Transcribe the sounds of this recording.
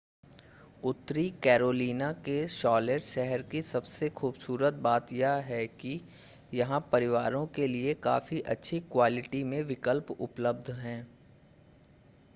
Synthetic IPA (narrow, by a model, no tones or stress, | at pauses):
ʊt̪ːɾikɛːɾoːliːnakeʃɔːleʈʃɛɦəɾkisɐbsexuːbsuːɾət̪̚baːt̪jaɦɛki | jɐɦãpɐɾɪʋaːɾõkelieka̰ːfiʔɐtːʃʰikwaːlɪʈimẽʋɪkəlpʊ̰pləbd̪ʱɦɛ̃ː